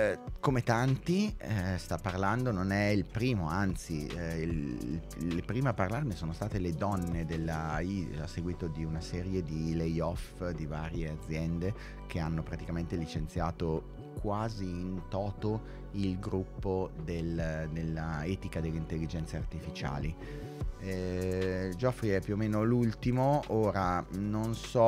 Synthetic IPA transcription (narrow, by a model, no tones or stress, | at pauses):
komet̪ant̪ist̪apːarland̪ononɛilpɾiːmoant̪si | l | lːepɾiːmeaparlarnesoːnost̪aːt̪eled̪ɔnːed̪elːaiasːeɡwiːt̪od̪iunasɛːɾjed̪ilejɔfd̪ivaːɾjead̪zːjɛnd̪e | k̟ʰeanːopɾat̪ikament̪elit͡ʃent̪sjaːt̪o | kwaːziːnt̪ɔːt̪o | ilɡɾupːod̪eld̪elːaɛːt̪ikad̪elːeint̪elːid͡ʒɛnt̪seart̪ifit͡ʃa̰ːli | ɛ | d͡ʒɔfɾiɛpːjuomeːnolult̪imooːɾanonsɔ